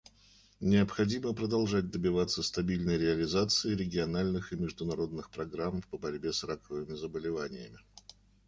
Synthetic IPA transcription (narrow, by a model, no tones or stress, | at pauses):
nʲɪɐpxɐdʲiməpɾəd̪ɐlˠʐat̚ʲd̪əbʲɪvat̪sːəst̪ɐbʲilʲnəjɾʲɪɐlʲɪzat̪sɨɪɾʲɪɡʲɪɐnalʲnɨxɨmʲɪʐd̪ʊnɐɾo̞d̪̚nɨxpɾɐɡɾampəbɐɾʲbʲe̞srakəvɨmʲɪzəbəlʲɪvanʲɪjə̰mʲɪ